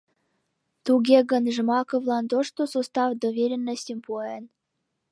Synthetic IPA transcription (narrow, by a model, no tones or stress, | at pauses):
t̪uɡʲeɣə̆nʒəmɑkovlˠɑnt̪oʂt̪osost̪ɑvd̪ovʲeɾʲenːəsʲtʲempuen